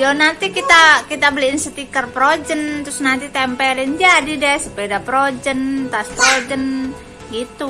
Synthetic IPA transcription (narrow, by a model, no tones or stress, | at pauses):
jonant̪ikit̪akit̪abəliɪnsət̪ikərpɾod͡ʒənt̪ɾʊsnant̪it̪ɛmpɛlɪnd͡ʒadidɛhsupedapɾod͡ʒənt̪aspɾod͡ʒən | ɡit̪u